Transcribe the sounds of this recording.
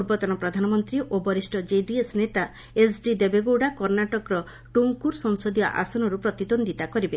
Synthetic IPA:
uɾbɔt̪ɔnɔpɾɔd̪ʱanɔmɔnt̪ɾiʔobɔɾisʈɔd͡ʒeɖiesnet̪a | esɖid̪ebeɡoɖakɔɾnaʈɔkɾɔ | ʈuŋkuɾsɔŋsɔd̪ijɔ̰ʔa̰sɔnɔɾupɾɔt̪id̪ond̪it̪akɔɾibe

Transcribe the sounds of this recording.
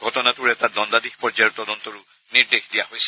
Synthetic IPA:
ɡʱɔtɔnatʊɹɛtadɔndadixpɔɹd͡ʒajʊtɔdɔntɔɹʊ | niɹdexdijahojsɛ̥

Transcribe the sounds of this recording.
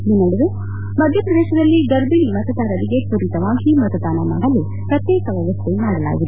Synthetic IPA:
ninɐɽuʋe | mɐd̪ʱjɐpɾɐd̪eːʃɐd̪ɐlːiɡɐɾbilimɐt̪ɐt̪aːɾɐd̪iɡekuɾit̪ɐʋaːŋkimɐt̪ɐd̪aːnamɐɦɐle | pɾɐt̪jeːkɐʋɐʋɐsemaːɾɐla̰ːɡid̪

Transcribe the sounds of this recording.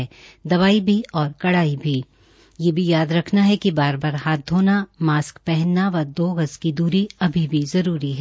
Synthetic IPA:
d̪ɐʋaːibʱiɔːɾkɐɽaːibʱi | jeːbʱijaːd̪ɾɐkʰnaɦɛkibaːɾbaːɾɦaːt̪̚ːoːnamaːskpɛɦɛnːaʋɐd̪oːɣəskid̪uːɾiɐbʱibʱizɐɾuːɾiɦɛː

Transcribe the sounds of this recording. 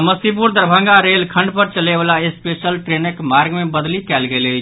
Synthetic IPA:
məsip̬uɾd̪əɾbʱə̃ŋɡaɾelkʰə̃ɳɖpəɾt͡ʃəlebalaespesəlʈɾenəkmaɾɡmebəd̪likɛlɡelət͡ʃʰ

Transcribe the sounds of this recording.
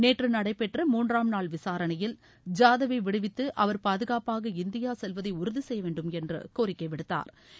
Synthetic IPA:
neːʈrɯnɐɽɐɪpːɛʈrɐmuːndraːmnaːɭʋɪsaːɾɐɳɐjɪl | d͡ʒaːðɐʋɐɪʋɪɽɯʋɪt̪ːɯʔɐʋɐɾpaːðɯɣaːpaːɣɐɪnd̪ɪjaːsɛlʋɐðɐɪʊɾʊðisɛjːɐʋeːɳɖɯmɛndrɯ̰koːɾɪkːɐɪʋɪɽɯt̪ːa̰ːɾ

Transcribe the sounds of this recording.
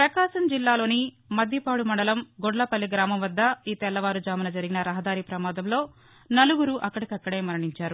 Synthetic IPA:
pɾɐkaːʃɐmd͡ʒilːaːlo̞ːni | mɐd̪ʱjɐpaːɽumɐɳɖɐlɐmɡoɖlɐpɐlːiɡɾaːmɐmʋɐd̪ːɐiːt̪ɛlːɐʋaːɾud͡ʒaːmɐnɐd͡ʒɐɾiɡinɐɾɐɦɐd̪aːɾipɾɐmaːd̪ɐmlo̞ː | nɐluɡuɾuʔɐkːɐɽɐkɐkːɐɽeːmɐɾɐɳiɲt͡ʃaːɾu

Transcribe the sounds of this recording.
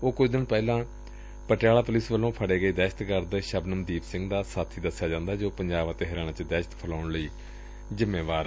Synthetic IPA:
oːkʊt͡ʃʰd̪ɪnpɛːlãː | pəʈɪjaːlaːpʊlɪsʋəlːõːpʰəɽeːɡəiːd̪ɛːʃə̥t̪kəɾd̪ʃəbnəmd̪iːpsɪ̃ŋɡd̪aːsaːt̪ʰiːd̪əsːjaːd͡ʒãːnd̪aːd͡ʒoːpəɲd͡ʒaːbãːt̪eːɦəɾaːnãːt͡ʃd̪ɛːʃət̪pʰəlaːʊɳləiː | zɪmːeːʋaːɾ

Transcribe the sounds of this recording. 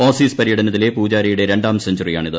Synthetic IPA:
oːsiːspɐɾijɐɽɐnɐt̪̬ːile̞puːd͡ʑaːɾɐjuɽe̞ɾe̞ɳɖaːmseɲd͡ʑɐrija̰ːɳiðɨ

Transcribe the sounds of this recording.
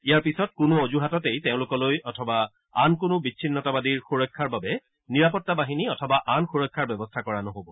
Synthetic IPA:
ijaɹpisɔt̚kʊnʊozuɦatɔtejteʊ̃lʊkɔlojɔtʰɔba | ankʊnʊbiinːɔtabadiɹxuɹɔjkʰːaɹbabɛ | niɹapɔtːabaɦiniɔtʰɔbaʔanxuɹɔkʰːaɹbɛbɔstʰakɔɹanɔɦobɔ

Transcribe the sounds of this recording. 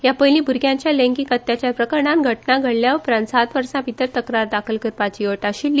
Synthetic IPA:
japəjlĩːbʱuɾɡʱjãɲt͡ɕjalẽŋkikət̪ːjat͡ɕjapɾəkəɾɳãnɡʱəʈnaɡʱəɽljaʋəpɾãnt̪sat̪ʋəɾsãpit̪əɾt̪əkɾaɾd̪akʰəlkəɾpat͡ɕiəʈaɕilːi

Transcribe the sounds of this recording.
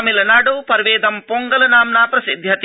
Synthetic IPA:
milɐnaːɽuːpɐɾʋeːd̪ɐmpoːŋɡɐlɐnaːmnaːpɾɐsid̪ʱjɐt̪

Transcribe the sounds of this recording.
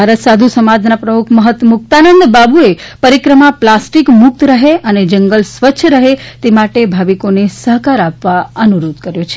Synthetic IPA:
bʱaɾət̪sad̪ʱusəmad͡ʒnapɾəmukʰməɦət̪əmuk̚t̪anənd̪babuepəɾikɾəmaplasʈikmʊk̚t̪ɾəɦeəned͡ʒəŋɡəlsʋətːʃʰəɾəɦet̪emaʈebʱaʋikonesəɦkaɾapʋaənuɾod̪kəɾjot͡ʃʰe̥

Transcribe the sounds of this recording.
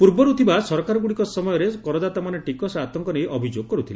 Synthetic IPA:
puɾbɔɾut̪ʰibasɔɾɔkaɾɔɡuɽikɔsɔmɔjɔɾekɔɾɔd̪at̪amaneʈikɔsat̪ɔŋkɔnejʔɔbʱid͡ʒoɡ̚kɔɾut̪ʰila

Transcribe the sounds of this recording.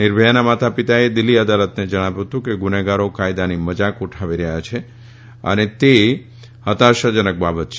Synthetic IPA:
nɪɾbʱəjanamat̪apit̪aed̪ɪlːiəd̪alət̪ned͡ʒəɽ̃aʋjuɦət̪ũkeɡʊneɡaɾokajd̪animəd͡ʒakuʈʰaʋiɾəɦjat͡ʃʰe | ə̰net̪e | hət̪aɾʃəd͡ʒənək̚babət̪t͡ʃʰ

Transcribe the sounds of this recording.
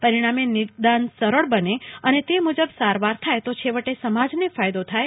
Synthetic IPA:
pəɾiɽ̃amenɪɾd̪ansəɾəɭbəneənet̪emud͡ʒəbsaɾʋaɾt̪ʰajt̪ot͡ʃʰeʋəʈesəmad͡ʒnefajd̪ot̪ʰaj

